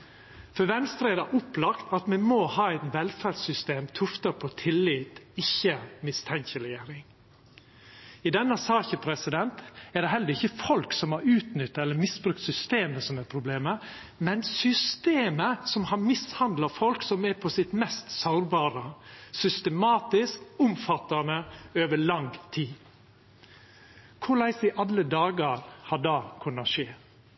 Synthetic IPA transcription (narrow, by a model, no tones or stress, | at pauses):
fœɾʋɛnst̪ɾɛɪd̪ɑʔʊplɑkt̪ʰɑt̪mɛmoːhɑːɛɪt̪ʋɛlfæɾdsʏst̪eːmt̪ʰʊft̪əpʰɔt̪ʰɪlːɪːt̪ɪçːəmɪst̪ʰɛŋçəɾɛjeːɾɪŋ | ɪd̪ɛnːəsɑːçəpʰɾɛsɪd̪ɛnt̪ɛɖ̪ɛɦɛlːəɾɪçːəfɔlksɔmhɑɾʉːt̪nʏt̪ːɑɛlːəɾmɪsbɾʉk̚t̪sʏst̪eːməsɔmɛɾpʰɾʊbleːmə | mɛnsʏst̪eːməsɔmhɑɾmɪshɑnd̪lɑfɔlksɔmæɾpʰɔsɪt̪mɛst̪sɑʊɾbɑːɾəsʏst̪əmɑːt̪ɪskʊmfɑt̪ɑnəøːʋəɭɑŋt̪ʰiː | kʰʊɭæɪsd̪ɪʔɑlːəd̪ɑːɡəɾhɑɖɑːkʰʉnːɑʃeː